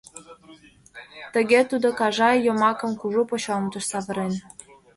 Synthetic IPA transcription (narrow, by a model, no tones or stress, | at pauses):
t̪ə̆ɣet̪ud̪okɑʒɑjomɑkə̆mkuʒupot͡ɕomt̪əʃsɑβə̆ɾen